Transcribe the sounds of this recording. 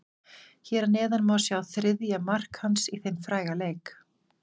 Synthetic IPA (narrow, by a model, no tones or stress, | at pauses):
çɛːɾanɛːðanmasjawθɾɪðjamar̥khansiθejnfɾaːjɣaleːjk